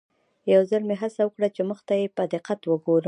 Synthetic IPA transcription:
jawzəlmeɦasawəkɽat͡ʃeməxt̪ajepəad̪ɪqat̪wəɡoɾə

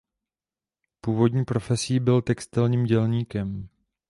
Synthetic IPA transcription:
puːvo̞dɲiːpɾo̞fɛsiiːbɪlt̪ɛkst̪ɪlɲiːmɟɛlɲiːkɛm

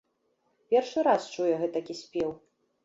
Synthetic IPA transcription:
pʲɛrʂɨɾast͡ʂujɛɣɛt̪ɐkʲisʲpʲew

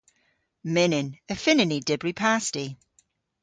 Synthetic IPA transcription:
mɪnɪnəfɪnɪnidɪbɹipʰasti

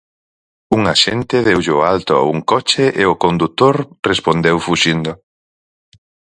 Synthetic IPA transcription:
uŋaʃent̪ɪðewʎalt̪ʊa̰ṵŋkɔt͡ʃeʔeʊkond̪ut̪oɾrespond̪ewfuʃind̪ʊ

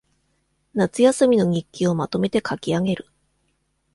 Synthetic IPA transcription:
nat͡sɨjasɨmʲino̞ɲ̟ikʲːio̞mat̪o̞me̞t̪e̞kʰakʲiaɡe̞ɾɯ̟

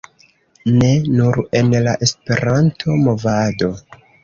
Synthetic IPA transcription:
ne̞nuɾe̞nlaʔe̞spe̞ɾʔantʰo̞mo̞vado̞

